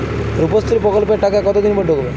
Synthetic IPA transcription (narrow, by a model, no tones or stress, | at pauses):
ɾupɔst̪ʰiɾipɾɔkɔlpeʈakakɔt̪od̪inməɖʱokle